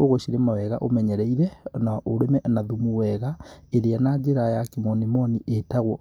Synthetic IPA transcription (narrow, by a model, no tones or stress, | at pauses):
oɣoʃiɾemawɛɣa̰ʔomɛɲɛɾɛiɾɛnaʔoɾemɛnaðumuwɛɣaeɾeanad͡ʒeɾajakimɔnimɔniʔetaɣwɔ